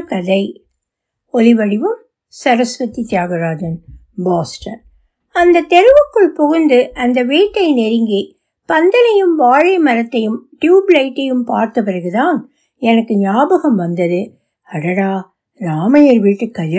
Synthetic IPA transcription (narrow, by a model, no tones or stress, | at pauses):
kɐðɐɪ | ɔlɪʋɐɽɪʋɯm | sɐɾɐsʋɐt̪it̪ɪjaːɣɐɾaːd͡ʒɐn | baːsʈɐn | ɐnd̪ɐt̪ːɛɾɯʋɐkːɯɭpɔɣɯnd̪ɯʔɐnd̪ɐʋiːʈːɐɪnɛɾɪŋɡi | pɐnd̪ɐnɐjɯmʋaːɻɐɪmɐɾɐt̪ːɐjɯmʈjuːblɐɪʈːɐjɯmpaːɾt̪ɐpɪɾɐɣɯt̪aːn | ɛnɐkːɯɲaːbɐɣɐmʋɐnd̪ɐðɯ | ɐɽɐɽaː | ɾaːmɐjɐɾʋiːʈːɯkːɐlː